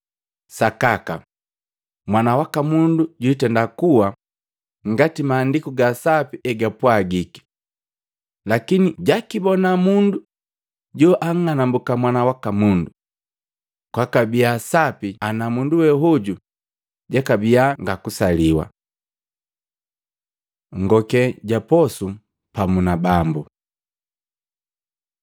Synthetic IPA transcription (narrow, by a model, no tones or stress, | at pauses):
sakaka̰ | mwanawakamunduɟutɛndakuwa | ŋ̩ɡatimaːndikuɡasapiɛɡapwaɡiki̥ | lakiniɟakibɔnamundu | ɟɔʔaŋŋanambukamwanawakamundu | kwakabiasapianamunduwɛɦuɟu | ɟakabiaŋɡakusaliwa̰ | ŋ̩ɡɔkɛɟapɔsu | pamunabambu